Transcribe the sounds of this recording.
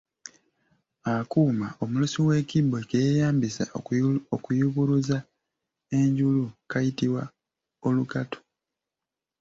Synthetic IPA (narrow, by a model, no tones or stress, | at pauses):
akuːmao̞mulusiwe̞ːkibekejejaːmbisa̰okujuβuɾuza | e̞ɲɟulukajitiwa | o̞lukato̥